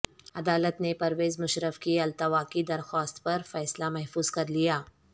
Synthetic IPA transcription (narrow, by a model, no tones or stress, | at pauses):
ɐd̪aːlət̪nepɐɾʋeːzmʊʃɾəfkiɐlt̪ɐʋaːkid̪ɐɾxɔːst̪pɐɾfɛːslamɛɦfuːzkɐɾlijaː